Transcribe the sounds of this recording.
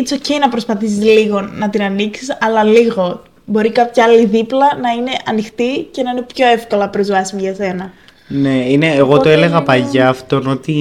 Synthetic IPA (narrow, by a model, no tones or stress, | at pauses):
t͡soceinɐpɾo̞spɐθisizliɣo̞nɐt̪inɐniksisɐlɐliɣo̞ | bo̞ɾikɐpçɐɐliðiplɐnɐine̞ʔɐnixt̪ice̞nɐine̞pço̞e̞fko̞lɐpɾo̞zvɐsimiʝɐse̞nɐ | ne̞ine̞ːɣo̞t̪oele̞ɣɐpɐʝɐːft̪o̞no̞t̪i